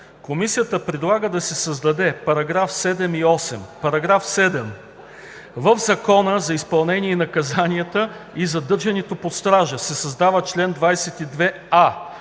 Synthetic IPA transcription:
komisijət̪əpɾɛd̪lˠaɡəd̪ɐsɛsɐzd̪ɐd̪ɛpɐɾɐɡɾafsɛd̪ɛmiɔsɛmpɐɾɐɡɾafsɛd̪ɛm | vəvzɐkɔnəzɐispɐlˠnɛnʲiɛinɐkɐzanʲiət̪əizɐd̪ɤɾʒɐnɛt̪opost̪ɾaʒəsɛsɐzd̪avət͡ʃlɛnd̪vajsɛt̪id̪vɛ | a

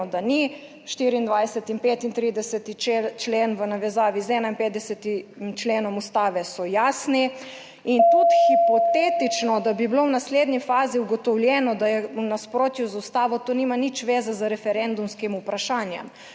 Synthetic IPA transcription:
ɔd̪ani | ʃt̪iɾiːnd̪ʋajsɛt̪impeːt̪int̪ɾiːd̪ɛsɛt̪it͡ʃt͡ʃleːnʋənaʋɛzaːʋizɛːnainpet̪d̪ɛsɛt̪imt͡ʃleːnɔmust̪aːʋɛsɔjaːsni | int̪ut̪xipɔt̪eːt̪it͡ʃnɔd̪abiblownasleːd̪nifaːziuɡɔt̪ɔwljɛnɔd̪ajɛunaspɾoːt̪juzaust̪aːʋɔt̪oːnimanit͡ʃʋeːzazaɾɛfɛɾɛnd̪umskimupɾaʃaːnjɛ̰m

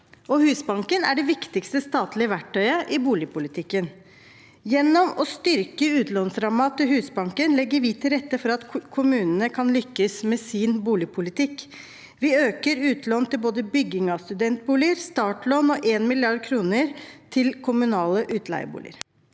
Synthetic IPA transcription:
ɔhʉːsbɑŋkənæ̰ɖɛʋɪkt̪ɪkst̪əst̪ɑːt̪ʰlɪəʋæʈʰːœʏəʔɪbuːlɪpʰʊlɪt̪ʰɪkːən | jɛnːɔmɔst̪ʏɾkəʉːt̪lɔnsɾɑmɑt̪əɦhʉːsbɑŋkənlɛɡːəɾʋɪːt̪ʰɪlɾɛt̪ːəfɔɾɑt̪kʰʊmʉːnənəkʰɑnlʏkːəsmɛːsɪːnbuːlɪpʰʊlɪt̪ʰɪkː | ʋɪøːkəɾʉːt̪ʰlɔnt̪ʰɪlboːd̪əbʏɡːɪŋɑst̪ʉd̪ɛnt̪̚buːlɪəɾst̪ɑːʈlɔnɔʔeːnmɪlɪɑɖkʰɾuːnəɾt̪ʰɪlkʰʊmʉnɑːləʔʉːt̪læ̰ɪə̰bṵːlɪ̰ə̰ɾ

